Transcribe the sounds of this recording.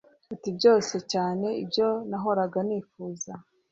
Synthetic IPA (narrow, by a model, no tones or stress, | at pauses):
utibɟo̞ːse̞caːne̞ibjo̞naɦo̞ɾaɡaniːfuːza